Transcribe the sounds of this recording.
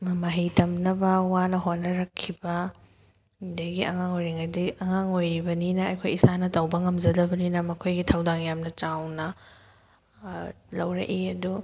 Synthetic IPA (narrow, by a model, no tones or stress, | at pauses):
mɐmɐɦijtɐmnɐbɐwanɐɦonːɐɾɐkʰːibɐ | dɐɡiʔɐ̰ŋaŋojɾiŋɐdiɐŋaŋojɾibɐninɐɐ̰jkʰojisanɐtɐwbɐŋɐmzɐdɐbɐninɐmɐkʰojɡitʰawdaŋjamnɐt͡ʃawnɐ | lɐwɾɐ̰ʔiɐdu